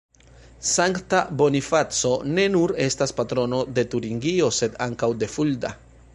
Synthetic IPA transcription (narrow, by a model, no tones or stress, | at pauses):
saŋktabo̞nifat͡so̞ne̞nuɾe̞staspatɾo̞no̞de̞tuɾiŋɡio̞se̞d̪aŋkawde̞fulda̰